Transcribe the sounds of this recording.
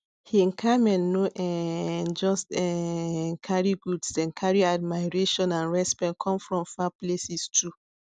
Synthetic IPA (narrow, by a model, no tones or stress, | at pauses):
hin̩kʰamɛ̃nːoʔɛd͡ʒɔstɛ | kʰaɹiɡudsɛ̃nkʰaɹiadmaɪɹeʃɔ̃nãnɹɛspɛ̃nkʰɔ̃mfɹɔ̃mfaplesistʰu